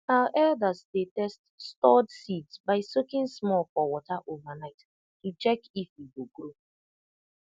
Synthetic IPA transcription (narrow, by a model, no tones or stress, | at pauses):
haʊʔɛldasdetɛststɔdsidsbaɪsokĩnsmɔlfɔwɔtaʔovanaɪt | tut͡ʃɛkifjiɡoɡɾo